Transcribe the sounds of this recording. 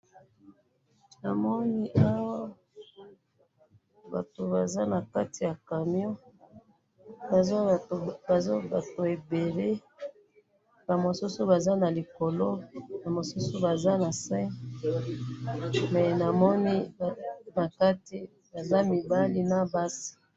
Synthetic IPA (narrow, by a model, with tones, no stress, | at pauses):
na˨mɔ˦ni˦ʔa˦wa˦ | ba̰˨to˨ba˨za˦na˨ka˦ti˨ja˨ka˨mjɔ˦˨˦ | ba˨zo˦ba˨to˨e˨be˨le˦ | ba˨mo˨su˦so˦ba˨za˦na˨li˨ko˨lo˦na˨mo˨su˦so˦ba˨za˦na˨sɛ̃˦ | mɛ˨na˨mɔ˦ni˦˨ | na˨ka˦ti˦ | ba˨za˦mi˨ba˦li˦na˦ba˦si̥˨